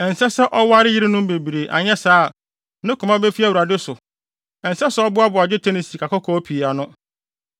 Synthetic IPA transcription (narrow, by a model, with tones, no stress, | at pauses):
ɛ˨n̩˨sɛ˦sɛ˦ʔɔ˦wa˦ɾɪ˦ji˦ɾɪ˦nʊ̃˦m˦be˨bi˨ɾe˨ʔa̰˨ɲɛ̃˦saː˦˨ | nɪ̃˦kʰʊ˨mã˦be˦fi˦æ˦˨wu˨ɾa˨dɪ˦sʊ˨ | ɛ˨n̩˨sɛ˦sɛ˦ɔ˦bʊ˦a˦bʊ˨a˨d͡ʑᶣɪ˦tʰɛ˦ni˨si˨kʰa˨kɔ˦kʰɔ˦pʰi˨a˨nʊ̃˦